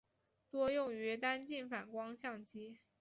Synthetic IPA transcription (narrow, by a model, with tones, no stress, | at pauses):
t̪wɔ˥jʊ˥˩ŋy˧˥t̪a˥nt͡ɕi˥˩nfa˨˩nkwɑ˥ŋɕjɑ˥˩ŋt͡ɕi˥